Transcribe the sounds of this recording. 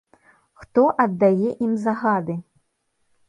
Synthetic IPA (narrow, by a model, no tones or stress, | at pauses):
xt̪ɔʔɐd̪ːajɛʔimzaɣad̪ɨ